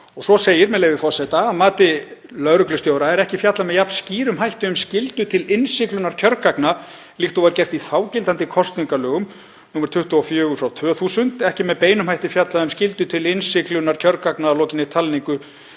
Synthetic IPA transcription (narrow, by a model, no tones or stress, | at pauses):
ɔɣsɔseːjɪɾmɛðleːjvɪfɔrsɛt̪aːmaːt̪ɪ | lœðɾʏklʏst̪joːwɾaɛɾɛhcɪfjat̪lamɛðjapn̥sciːɾʏmɦajht̪ɪʏmscɪlt̪ʏt̪ʰɪlɪnsɪklʏnaɾ̥cʰœɾkakna | liht̪ɔvaɾcɛr̥t̪iθaːwcɪlt̪ant̪ɪkʰɔst̪niŋkalœːɣʏm | nuːmɛɾ̥t̪ʰʏht̪ʏɔfjœːɣʏsawt̪ʰœːθusʏnt̪ɛhcɪmɛðpeːjnʏmhajht̪ɪfjat̪laʏmscɪlt̪ʏt̪ʰɪlɪnsɪklʏnaɾ̥cʰœɾkaknaːlɔːcɪnɪt̪ʰalniŋkʏ